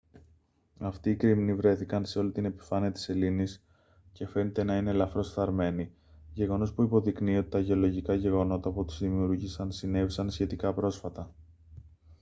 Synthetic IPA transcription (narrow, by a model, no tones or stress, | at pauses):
ɐft̪iːkɾimnivɾe̞θikɐnse̞o̞lit̪ine̞pi̥fɐniɐt̪i̥se̞linis | ce̞fe̞net̪e̞nɐine̞lɐfɾo̞sθɐɾme̞ni | ʝe̞ɣo̞no̞spuipo̞ðiknio̞t̪i̥t̪ɐʝe̞o̞lo̞ʝikɐʝe̞ɣo̞no̞t̪ɐput̪i̥zðimiuɾʝisɐnsine̞visɐnsçe̞t̪ikɐpɾo̞sfɐt̪ɐ